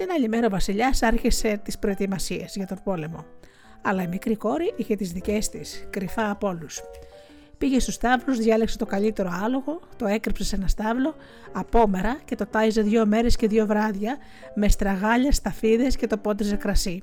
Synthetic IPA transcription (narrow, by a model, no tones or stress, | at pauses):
enɐʎime̞ɾo̞vɐsiʎɐsɐɾçise̞t̪ispɾo̞e̞t̪imɐsiezʝɐt̪o̞bo̞le̞mo̞ | ɐlɐimikɾiko̞ɾiʔiçe̞t̪izðice̞st̪iskɾifɐːpo̞lus | piʝe̞st̪ust̪ɐvluzðʝɐlekse̞t̪o̞kɐʎit̪e̞ɾo̞ɐlo̞ɣo̞t̪o̞e̞kɾipsesenɐst̪ɐvlo̞ | ɐpo̞me̞ɾɐce̞t̪o̞t̪ɐjze̞ðʝo̞me̞ɾe̞sce̞ðʝo̞vɾɐðʝɐ | me̞st̪ɾɐɣɐʎɐst̪ɐfiðe̞sce̞t̪o̞po̞t̪ize̞kɾɐsi